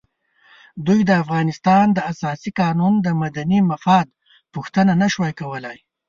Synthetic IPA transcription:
d̪ujd̪əafɣɑnɪst̪ɑnd̪əasɑsiqɑnund̪əmad̪animafɑd̪ | puxt̪ənanaʃwajkawəlaj

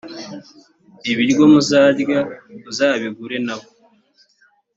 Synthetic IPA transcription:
iβiɾɡo̞muzaːɾɡauzaːβiɡuɾe̞naβo

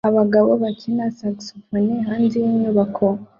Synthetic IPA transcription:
aβaɡaβoβakʰinasaksofoniɦaːnzijiɲuβakʰo

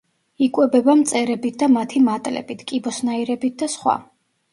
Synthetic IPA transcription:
ikʼwɛbɛbamt̪sʼɛɾɛbit̪̚ʰd̪amat̪ʰimat̪ʼlɛ̰bit̪ʰkʼibɔsnaiɾɛbit̪̚d̪asχwa̰

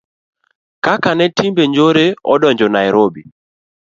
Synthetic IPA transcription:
kakanɛtimbeɲd͡ʒoɾeɔ̰dɔɲd͡ʒɔnaɛɾobi

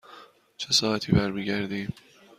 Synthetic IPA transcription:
t͡ʃʰesɒːæt̪ʰiːbæɾmiɟæɾd̪iː

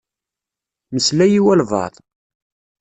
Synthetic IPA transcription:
məslæjiwælvɑ̰ðˤ

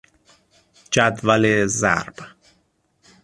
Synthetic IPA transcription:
d͡ʒæd̪vælezæ̰ɾb̥

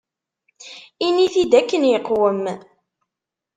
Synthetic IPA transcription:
iniθid̪ækːənjəqːwəm

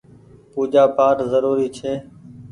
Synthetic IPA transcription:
puːd͡ʒaːpaːʈzəɾuːɾiːt͡ʃʰeː

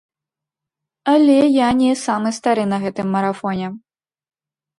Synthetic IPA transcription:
ɐlʲɛjanʲɛsamɨst̪aɾɨnɐɣɛt̪ɨmːɐɾafɔnʲɛ

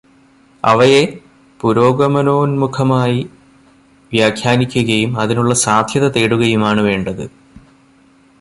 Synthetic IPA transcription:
ɐ̰ʋɐje̞ | puɾo̞ːɡɐmɐno̞ːnmukʰɐmaːji | ʋjaːkʰjaːnikʲːuɣɐjumɐðinuɭːɐsaːd̪ʱjɐðɐt̪eːɽuɣɐjumaːɳɨʋe̞ːɳɖɐðɨ

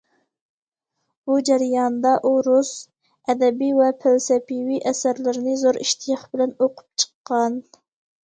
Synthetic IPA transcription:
bud͡ʒɛɾijɑnd̪ɑʔuɾus | ɛd̪ɛbiwɛpʰælsɛpiwiʔɛsæɾlɪɾɪnɪzoɾiʃt̪ʰijɑχbɪlɛnoqʰʊ̥p̚t͡ʃʰə̥qʰːɑn

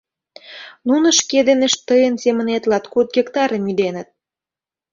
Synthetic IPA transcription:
nunə̆ʃked̪eneʃt̪ːəjənsemə̆net̪lɑt̪kot̪̚ɡʲekt̪ɑɾəmyd̪enə̆t̪̚

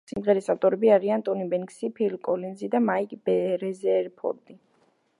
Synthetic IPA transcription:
simʁɛɾisaft̪ʼɔɾɛbiaʁiant̪ʼɔnibɛŋksipʰilkʼɔlinzid̪amaikʼbɛɾɛzɛɾpʰɔ̰ɾd̪ʼi

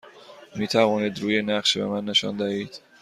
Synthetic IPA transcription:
miːt̪ʰævɒːniːd̪ɾuːjenæχʃbe̞̰mænːe̞ʃɒ̰nd̪æhiːd̪̥

